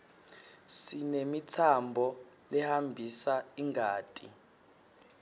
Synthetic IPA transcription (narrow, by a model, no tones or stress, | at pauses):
sinemitʰambʱɔ | lɛhambʱisaiŋʱaːtʼi